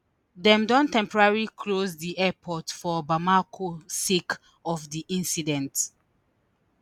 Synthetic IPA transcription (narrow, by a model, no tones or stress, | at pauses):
dɛ̃mdɔ̃ntɛ̃mpɔɹaɹilikʰlosdiʔɛpʰɔtfɔbamakʰosek | ɔfdiʔĩnsidɛ̃nt